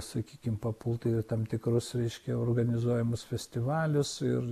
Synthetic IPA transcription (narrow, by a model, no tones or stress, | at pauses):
sɐkʲiːkʲɪmpɐpʊlˠt̪ɐɪt̪ɐmt̪ʲɪkɾʊsɾʲɛɪʃʲkʲɛoːrɡɐnʲɪzuɔjɛmʊsfʲɛsʲt̪ʲɪʋɑːlʲʊsɪr